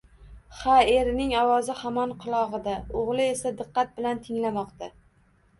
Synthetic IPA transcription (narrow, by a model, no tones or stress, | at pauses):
χae̞ɾnɪŋɒwɒzɪhamɒnqʰʊlˠɒʁɨd̪aoʁlˠɪe̞sad̪ɨqːɑt̪̚bɪlant̪ʰɪŋlamɒqt̪a